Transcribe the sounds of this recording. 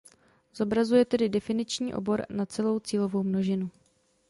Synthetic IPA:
z̥o̞bɾazujɛt̪ɛdɪdɛfɪnɪt͡ʃɲiːʔo̞̰bo̞ɾnat͡sɛlo̞wt͡siːlo̞vo̞wmno̞ʒɪnu

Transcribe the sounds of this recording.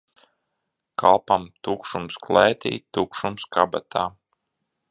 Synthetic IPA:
kʰa̰lˠpamt̪ukʃumsklˠɛːt̪ḭːt̪ukʃumskabat̪ʰaː

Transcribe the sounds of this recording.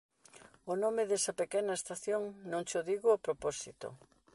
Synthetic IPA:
onomeðɛsɐpekɛnɐest̪aθjoŋnõŋt͡ʃoðiɣʊapɾopɔsit̪o̰

